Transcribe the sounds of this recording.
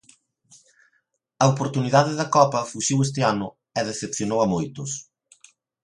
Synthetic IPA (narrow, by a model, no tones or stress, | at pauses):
ɐopoɾt̪uniðaðɪðɐkɔpɐfuʃiwes̬t̪eanʊ | ɛðeθepθjonowɐmojt̪ʊs